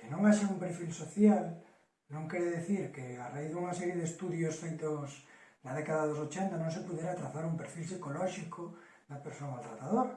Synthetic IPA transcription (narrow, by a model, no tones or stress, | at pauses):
kenõŋaʃaumpeɾfilsoθjal | nõŋkeɾeðeθiɾkearaiθðuŋasɛɾjeðest̪uðjosfejt̪osnaðekaðaðos̬ot͡ʃɛnt̪anõŋs̬epuðjeɾat̪ɾaθaɾumpeɾfilsikolɔʃikʰo | ðɐpeɾsoŋalt̪ɾat̪aðoɾ